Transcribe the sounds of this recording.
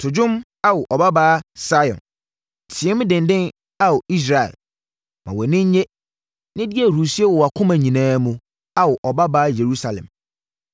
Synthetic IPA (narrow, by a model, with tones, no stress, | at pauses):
tʰʊ˨d͡ʑʊ̃˦m | a˦wʊ˨ʔɔ˨ba˦baː˦sa˦jɔ̰̃˨n | tʰɪ˨ɛ˦mʊ̃˦dɪ̃˨ndɪ̃˦n | a˦wɔ˨i˦s̬ɾa˨ɛ̰˨l | mã̰˨wɔ˨nɪ̃˦ɲ˦ɲe˦ | nɪ̃˦dɪ˦æ˨ɾu˨si˦e˦wɔ˨wa˨kʰʊ̃˦mã˨ɲĩ˨nãː˦mũ˨ | a˦wʊ˨ʔɔ˨ba˦baː˦je˨ɾu˦sa˨lɛ̰˨m